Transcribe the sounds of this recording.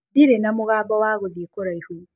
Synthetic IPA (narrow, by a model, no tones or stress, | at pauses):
diɾenamʊɣaːbɔwaːɣoðikoɾaihu